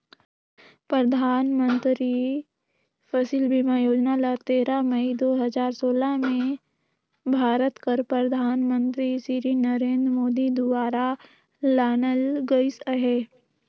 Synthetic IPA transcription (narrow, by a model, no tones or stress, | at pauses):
pɾəd̪ʱaːnmə̃nt̪ɾi | pʰəsiːlbʱimãjoːd͡ʒnalat̪eːɾaməid̪oːɦəzaːɾsoːlamẽ | bʱaːɾət̪kəɾpɾəd̪ʱaːnmə̃nt̪ɾisiɾinəɾẽːnd̪ɾəmoːd̪id̪ʋaːɾa | laːnəlɡəɪsəɦɛː